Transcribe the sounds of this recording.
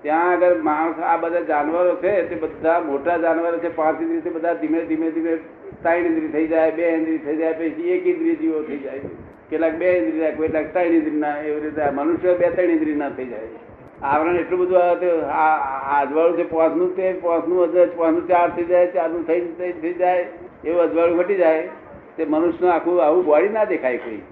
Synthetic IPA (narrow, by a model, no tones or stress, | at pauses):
t̪jãəɡəɾmaɽ̃sabəd̪ad͡ʒaːnʋəɾot͡ʃʰet̪ebəd̪ʱamoʈad͡ʒaːnʋəɾot͡ʃʰepãːt͡ʃɪnd̪ɾit̪ebəd̪ʱad̪imed̪ʱimẽd̪imẽ | t̪aːinɪ̃nd̪ɾit̪ʰəid͡ʒaːebeẽnd̪ɾit̪ʰəid͡ʒaːepəit͡ʃʰiekɪ̃nd̪ɾid͡ʒiot̪ʰəid͡ʒaːee | kelaːk̚beɪ̃nd̪ɾid͡ʒaːekoilaːkt̪ainɪ̃nd̪ɾinaeʋɾet̪amənʊʃjəbet̪aiñĩnd̪ɾinat̪ʰəid͡ʒaːe | aːʋɾãeʈlũbəd̪ʱuaet̪ead͡ʒʋaːɭut̪ʰepãːsʰnũt̪epãːsʰnũpãːt͡ʃnũt͡ʃaːɾt̪ʰəid͡ʒaːet͡ʃaːɾnũt̪ʰəit̪ʰəid͡ʒaːe | eoəd͡ʒʋaɭũkəʈid͡ʒaːe | t̪emənʊʃjnoaːkʰũaːũbaɽinad̪ekʰaːekoːḭː